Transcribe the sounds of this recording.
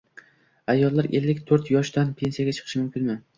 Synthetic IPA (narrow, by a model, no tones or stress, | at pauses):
ajːɒlˠːaɾe̞lːɪkʲt̪ʰɵɾt̪jɒʃd̪anpʰe̞nsijaɡʲat͡ʃʰɨ̥qʰɨ̥ʃɪmʊmkʲɪnmɪ